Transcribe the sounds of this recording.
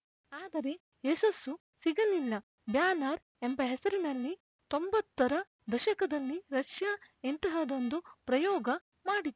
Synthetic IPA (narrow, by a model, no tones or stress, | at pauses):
aːd̪ɐɾe̞ | esɐsːu | siɡɐnilːɐ | bjaːnaːɾ | embɐɦɛsɐɾinɐlːi | t̪o̞mbɐt̪ːɐɾɐ | d̪ɐʃɐkɐd̪ɐlːiɾɐʃjɐent̪ɐɦɐd̪o̞nd̪upɾɐjɔːɡɐ | maːɽit̪ːu̥